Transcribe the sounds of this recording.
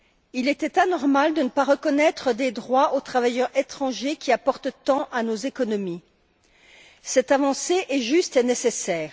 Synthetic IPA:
ilɛt̪ɛt̪anɔʁmald̪ənəpaʁəkɔnɛt̪χəd̪ed̪ʁwaot̪χavajœʁet̪χɑ̃ʒekʲiapɔʁt̪t̪ɑ̃ʔanozekɔnɔmi | sɛt̪avɑ̃seʔɛʒyst̪enesesɛːʁ

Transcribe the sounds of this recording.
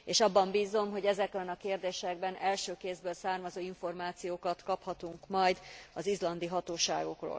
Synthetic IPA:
eːʃɒbːɒmbiːzo̞mɦo̞ɟɛzɛkɛnɒkeːrd̪eːʃɛɡbɛnɛlʃøːkeːzbøːlsaːrmɒzoːiɱfo̞rmaːt̪sijoːkɒt̪kɒphɒt̪uŋkmɒjd̪ɒzizlɒnd̪iɦɒt̪oːʃa̰ːɡo̞kro̰ːl

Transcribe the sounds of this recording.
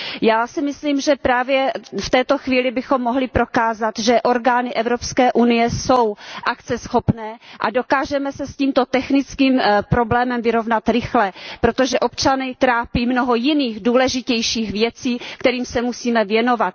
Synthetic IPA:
jaːsɪmɪsliːmʒɛpɾaːvjɛft̪ɛːt̪o̞xviːlɪbɪxo̞mːoɦlɪpɾo̞kaːzat̪ʒɛʔo̞ɾɡaːnɪʔɛvɾopskɛːʔunɪjɛsowʔakt͡sɛsxo̞pnɛːʔa̰do̞kaːʒɛmɛsɛsciːmt̪o̞t̪ɛxnɪt͡skiːmpɾo̞blɛːmɛmvɪɾo̞vnat̪ɾɪxlɛpɾot̪oʒɛʔo̞pt͡ʃanɪt̪ɾaːpiːmnoɦojɪniːɣduːlɛʒɪcɛjʃiːxvjɛt͡siːkt̪ɛɾiːmsɛmusiːmɛvjɛno̞vat̪̚

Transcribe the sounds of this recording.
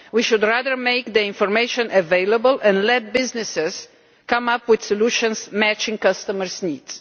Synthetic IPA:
wiʃʊd̪ɹaðəɹmeɪkd̪əɪ̃nfɔɾmeɪʃɔ̃nʔəveɪləbəlʔɛ̃nlɛt̪̚bɪznɪsɛs | kãmapwɪd̪sɔluʃɔ̃nsmæt͡ʃɪ̃ŋkʌst̪əməɹsniːds

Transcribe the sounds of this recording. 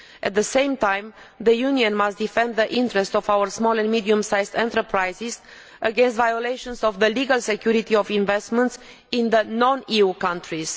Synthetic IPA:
ʔɛt̪̚ðəsẽjmt̪ãjm | ðəjuniə̃nmast̪̚d̪ifɛ̃nd̪̚ðəʔĩnt̪ɾɛst̪ɔvawəɹsmɔlɛ̃nmid̪iũmsajzd̪ɛ̃nt̪əɾpɾajziz | əɡẽns̬t̪vajolejʃõnsɔvðəliɡalsekjuɾit̪iovĩnvɛst̪mə̃nt̪s | ĩnðənɔ̃niukãntɾiz̥

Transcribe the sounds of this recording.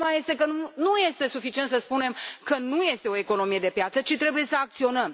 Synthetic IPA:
maje̞st̪e̞k̬ənunuje̞st̪e̞sufit͡ʃient̪səspune̞mkənuje̞st̪e̞o̞eko̞no̞mije̞d̪e̞pjat̪sət͡ʃit̪ɾe̞buje̞səak̚t̪sio̞nəm

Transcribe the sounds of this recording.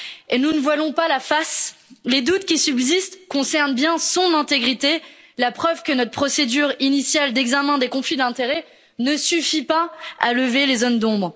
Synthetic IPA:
enunəvwajɔ̃palafasled̪ut̪kʲisybzist̪kɔ̃sɛʁnbjɛ̃sɔ̃nɛ̃t̪eɡʁit̪e | lapχœvkənɔt̪χəpχɔsed̪yʁinisjald̪ɛɡzamɛ̃d̪ekɔ̃flid̪ɛ̃t̪eʁɛ | nəsyfipaa̰ləvelezond̪ɔ̃bʁ

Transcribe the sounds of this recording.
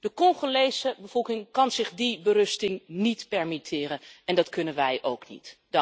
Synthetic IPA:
d̥əkɔŋχolejzəbəvɔlˠkɪŋkɑnz̥ɪχdibəɾɵstɪŋnitpɛɹmitʰɪːrənɛndɑtkɵnənʋɛjʔowknḭtd

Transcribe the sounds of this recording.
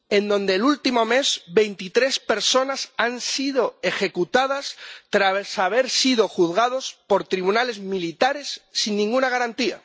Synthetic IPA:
e̞nd̪õ̞nd̪elult̪imo̞me̞zbe̞jnt̪it̪ɾe̞spe̞ɾso̞nasansið̞o̞e̞xe̞kut̪að̞ast̪ɾasaβe̞ɾsið̞o̞xuðɣaðo̞spo̞ɾt̪ɾiβunale̞zmilit̪aɾe̞sːinːĩŋɡunaɣ̞aɾant̪ia̰

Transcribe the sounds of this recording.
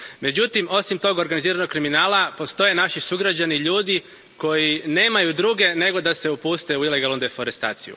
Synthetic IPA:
me̞d͡ʑut̪imo̞simt̪o̞ɡo̞ɾɡaniziːɾano̞kkːɾiminaːlapo̞st̪o̞je̞naʃisuɡɾad͡ʑaniʎuːd̪i | ko̞jine̞ːmajud̪ɾuːɡe̞ne̞ɡo̞d̪ase̞upust̪e̞uile̞ɡalnud̪e̞fo̞ɾest̪a̰ːt̪sijṵ

